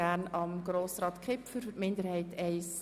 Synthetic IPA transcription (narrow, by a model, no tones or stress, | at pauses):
ænɑmɡroːsrɑːtkχɪpfyɾfətmɪndəɾhɛɪtɛɪs